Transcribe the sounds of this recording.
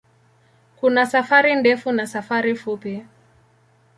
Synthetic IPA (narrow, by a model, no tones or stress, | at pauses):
kunasafaɾindɛfunasafaɾifupi